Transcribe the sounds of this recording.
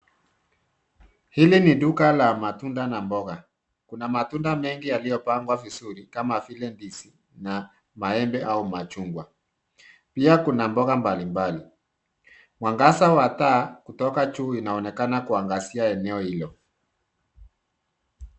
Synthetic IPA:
hiliniɗukalamatundanambɔɣa | kunamatundamɛŋɡijalijɔpaŋɡwavisuɾikamafilɛndisi | na | maɛmbɛʔaumat͡ʃuŋɡwa | piakunambɔɣambalimbali | mwaŋɡasawatakutɔkat͡ʃuːinaɔnɛkanakuaŋɡasiaɛnɛɔhilɔ

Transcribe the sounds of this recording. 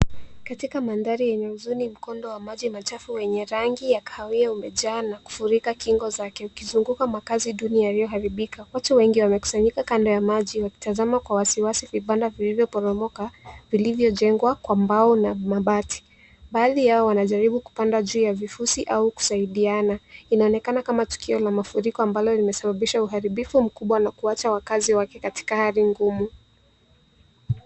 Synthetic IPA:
katikamandaɾijɛɲɛuzunim̩kɔndɔwamaʄimat͡ʃafuwɛɲɛɾaŋɡijakaawiaumɛʄaːnaku̥fuɾikakiŋɡɔzakɛukizuŋɡukamakaziɗuniajalijɔɦaɾiɓikʰawat͡ʃɔwɛŋɡiwamɛku̥saɲikakandɔjamaʄiwaki̥tazamakwawasiwasiviɓandavilivjɔpɔɾɔmɔkavilivjɔʄɛŋɡwakwambaɔnamaɓati̥ | ɓaːðijaɔwanaʄaɾiɓuku̥pandaʄuːjavifusiʔauku̥saiɗianainaɔnɛkanakamatu̥kʰiɔlamafuɾikɔambalɔlimɛsaɓaɓiʃauɦaɾiɓifum̩kuɓwanakuat͡ʃawakaziwakɛkati̥kahaɾiŋɡumu

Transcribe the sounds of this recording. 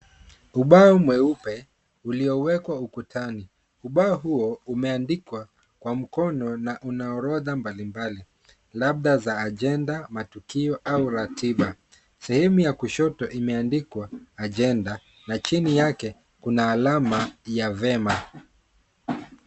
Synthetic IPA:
uɓaɔmwɛupɛ | uliɔwɛkwaukutʰani | uɓaɔɦuɔumɛandikwa | kwam̩kɔnɔnaʔunaɔɾɔðambalimbali | laɓ̚ɗazaːʄɛndamatukiɔʔauɾatʰiɓa | sɛhɛmujakuʃɔtɔʔimɛandikwaːʄɛnda | nat͡ʃinijakɛ | kunaːlamajavɛma

